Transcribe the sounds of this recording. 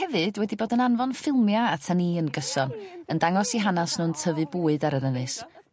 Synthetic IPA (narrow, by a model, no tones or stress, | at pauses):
hɛvɨdwɛdiboːdənanvɔnfɪlˠmjaatʰaniːənɡəsɔnəndaŋɔsiɦanasnʊːntʰəvɨbuːɨdaɾənənɨs